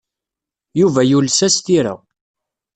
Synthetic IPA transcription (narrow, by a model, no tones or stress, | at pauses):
juvæjulsæst̪iɾa̰